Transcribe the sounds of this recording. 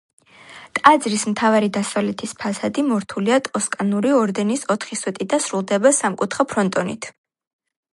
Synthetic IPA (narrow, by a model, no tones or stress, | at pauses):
t̪ʼad̪zɾismt̪ʰavaɾid̪asavlɛt̪ʰispʰasad̪imɔɾt̪ʰuliat̪ʰʼɔskʼanuɾiɔɾd̪ɛnisɔt̪ʰχiswɛt̪ʼid̪asɾulˠd̪ɛbasamkʼut̪ʰχapʰɾɔnt̪ʼɔnit̪ʰ